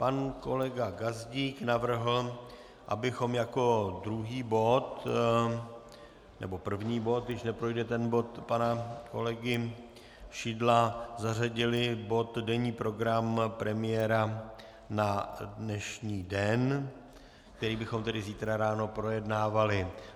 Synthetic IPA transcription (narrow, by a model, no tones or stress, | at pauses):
panko̞lɛɡaɡazɟiːknavr̩ɦl̩ | ʔa̰bɪxo̞mjako̞d̪ɾuɦiːbo̞t̪ | nɛ̰bo̞pr̩vɲiːbo̞t̪̚ɡdɪʃnɛpɾo̞jdɛt̪ɛnbo̞t̪panako̞̰lɛɡɪ | ʃidlazaraɟɪlɪbo̞t̪dɛɲiːpɾo̞ɡɾampɾɛmɪjɛɾa | nadnɛʃɲiːdɛn | kk̚t̪ɛɾiːbɪxo̞mt̪ɛdɪziːt̪ɾaɾaːno̞pɾo̞jɛdnaːvalɪ